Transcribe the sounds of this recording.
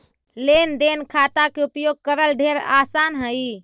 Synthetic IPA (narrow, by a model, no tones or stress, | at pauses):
lend̪enkʰat̪akeupjoɡ̚kəɾəlɖʱeɾa̰sanɦəj